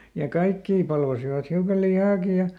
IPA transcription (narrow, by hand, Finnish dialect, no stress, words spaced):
jɑ kɑikːiː pɑlʋɑsiʋɑt hiukɑ lihɑːki jɑ